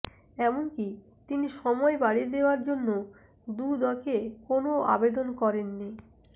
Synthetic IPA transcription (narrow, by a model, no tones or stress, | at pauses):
ɛmonki | t̪iniʃɔmɔebaɽid̪eoaɾd͡ʑonːo | d̪ud̪ɔkekonoa̰bed̪onkɔɾenːi